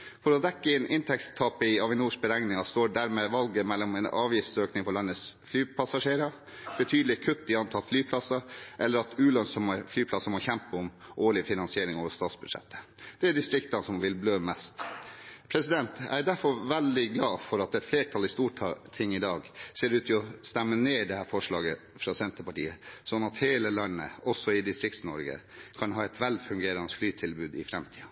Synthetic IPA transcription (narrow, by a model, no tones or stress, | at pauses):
fɔɾɔd̪ɛkːəɪnʔɪnt̪ʰɛkst̪t̪ʰɑːpəɪɑʋɪnuːʂk̚bəɾæŋnɪŋɑst̪oːɖæɾmeːʋɑlɡəmɛlːɔmɛnɑ̰ːʋjɪft̪søːknɪŋpɔɭɑnːəsflyːpʰɑsɑʂeːɾɑ | b̥ət̪ʰyːd̪lɪkʰʉt̪ːɪɑnt̪ʰɑt̪flyːpʰlɑsɑʔɛlːəɾɑt̪ʉːlœnsɔməflyːpʰlɑsɑmɔçɛmpəʊmʔoːɭɪfɪnɑnsɪeːɾɪŋoːʋəst̪ɑːt̪sbʉd̪ʂɛ̰t̪ːə̥ | d̪̥ɛæɖɪst̪ɾɪkt̪ɑnsɔmʋɪlbløːmɛst̪pʰɾɛsɪd̪ɛnt̪æ̰ɪd̪æɾfɔɾʋɛld̪ɪɡlɑːfɔɾɑt̪ɛt̪fleːʈʰɑlɪst̪uːʈt̪ʰɪŋːɪd̪ɑːɡseːɾʉːt̪ʰɪɔst̪æmːəneːɖɛhæːfɔʂɭɑːɡə | fɾɑːsɛnt̪əpɑʈḭːəsɔnːɑt̪heːləlɑnnə̰ɔsːɔɪd̪ɪst̪ɾɪk̚t̪snɔɾɡə̰ | kʰɑnɦɑːɛt̪ʋɛlfʉŋɡeːɾɑnəflyːt̪ʰɪlbʉːd̪ɪ̰fɾɛmt̪ʰiːɑ